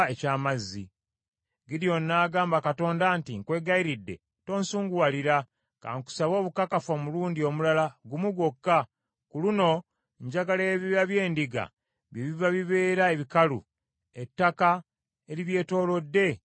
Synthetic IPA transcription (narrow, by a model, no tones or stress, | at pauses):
ecaːmazːi | ɡiɾjo̞nːaːɡaːmbakato̞ːndaːntiŋkwe̞ːɡaiɾidːe̞̰ | to̞ːnsuːŋɡuaːliɾa | ka̰ŋku̥saβo̞ːβukakafoːmuluːndio̞mulalaɡumuɡokːa | kuluno̞ | ɲɟaɡaleβiβaβje̞ːndiɡa̰ | βiβivaβiβe̞ːɾae̞βikalṵ | e̞tːaka | eɾiβje̞ːto̞ːlo̞dːe̞